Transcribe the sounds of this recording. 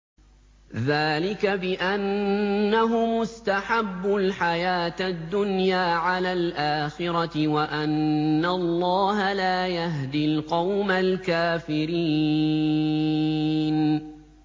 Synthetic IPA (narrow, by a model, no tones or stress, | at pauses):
ðaːlɪkabɪʔanːaɦʊmʊst̪aħabːʊlħajaːt̪ad̪ːʊnjaːʕalaːlʔaːxɪɾɑtɪwaʔanːalˤːɑːɦalaːjaɦd̪ɪlqɑwmalkaːfɪɾiː | n